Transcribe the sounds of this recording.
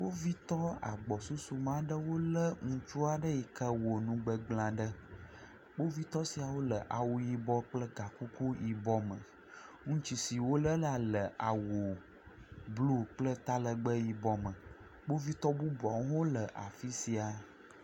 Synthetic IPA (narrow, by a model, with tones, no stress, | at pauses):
wo˦vi˦t̪ɔ˦a̰˨ɡ͡bɔ˨su˦su˦mã˦ɖə˦wo˦lə˦ŋũ˦t͡ʃu˦a˨ɖə˦ji˨kə˦wo˨nũ˦ɡ͡bə˦ɡ͡blã˨ɖə˦ | bo˦vi˦t̪ɔ˦si˨a˨wo˦lə˨ʔa˨wu˨ji˨bɔ˦k͡plə˦ɡa˨ku˦ku˦ji˨bɔ˦mə̃˨ | ŋũ˦t͡ʃi˨si˨wo˦lə˦la˨lə˨ʔa˨wo˨ | blu˦k͡plə˦t̪a˦lə˨ɡ͡bə˦ji˨bɔ˦mə̃˨ | bo˦vi˦t̪ɔ˦bu˦bɔ˨wɦõ˦lə˨ʔa̰˨fi˦si˨a˨